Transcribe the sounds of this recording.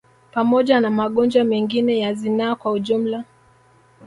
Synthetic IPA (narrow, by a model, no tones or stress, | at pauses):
pamɔʄanamaɠɔnd͡ʒwamɛŋɡinɛjazinakwauʄum̩la